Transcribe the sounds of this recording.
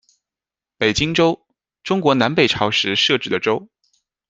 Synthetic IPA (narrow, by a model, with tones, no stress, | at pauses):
pe˨˩ɪt͡ɕi˥ŋʈ͡ʂo˥ʊ | ʈ͡ʂʊ˥ŋkwɔ˧˥na˧˥npe˨˩ɪʈ͡ʂʰɑ˧˥ʊʂɻ̩˧˥ʂɤ˥˧ʈ͡ʂɻ̩˥˩d̪ə˩ʈ͡ʂo˥ʊ